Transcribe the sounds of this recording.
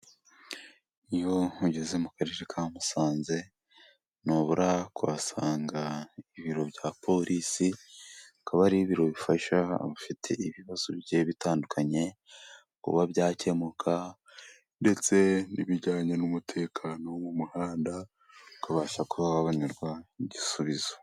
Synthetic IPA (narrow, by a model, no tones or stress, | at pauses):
ijo̞uɟe̞zemukaɾeɾekʰamusaːnze̞ | noβuɾakwβa̰saːŋɡaiβiɾo̞bɟaːpʰo̞ɾʔisiakaβaɾiiβiɾo̞βifaʃa̰βafitʰe̞̰iβiβaz̥oβjeβitaːndukʰaɲe̞ | kṵβabjaːce̞mukʰa | nde̞t͡se̞niβiɾɟaːɲe̞numutʰe̞ːkʰaːno̞mumuhaːnda | ukaβaːʃakuaβaβaniɾɡwaiɟisuβizo̥